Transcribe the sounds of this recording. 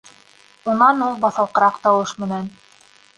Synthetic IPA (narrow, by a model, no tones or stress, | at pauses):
unɑnulˠbɑθɑlˠqɤ̆ɾɑqt̪ɑwɤʃmɘ̆næn